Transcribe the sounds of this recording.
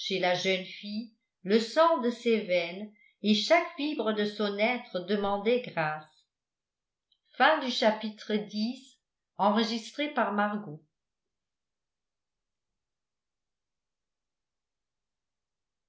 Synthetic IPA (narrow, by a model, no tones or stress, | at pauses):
ʃelaʒœnfi | ləsɑ̃d̪əsɛvɛn | eʃakfibʁəd̪əsɔ̃nɛt̪χəd̪əmɑ̃d̪ɛɡʁaːs | fɛ̃d̪yʃapit̪χəd̪is | ɑ̃ʁəʒist̪χepaʁmaʁɡo